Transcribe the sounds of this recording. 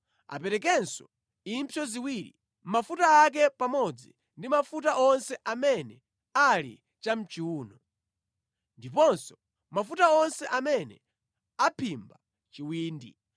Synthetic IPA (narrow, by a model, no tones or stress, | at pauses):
a̰pɛɾɛk̬ɛnsɔ | im̩pʰjɔziwiɾḭ | mafutaːk̬ɛpamɔd͡zi | ndimafutaʔɔnsɛʔamɛnɛ | alḭ | t͡ʃam̩t͡ʃiuːnɔ | ndipɔnsɔ̥ | mafutaɔnsɛʔamɛnɛ̰ | apʰimba | t͡ʃiwiːndi